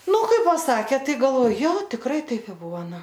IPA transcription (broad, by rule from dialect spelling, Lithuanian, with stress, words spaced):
ˈnʊ ˈkɐɪ pɐˈsɑːkʲeː ˈtɐɪ ɡɐlˠˈʋoːj ˈjoː tʲɪkˈrɐɪ ˈtɐɪp ɪ ˈbʊʋoː ˈnʊ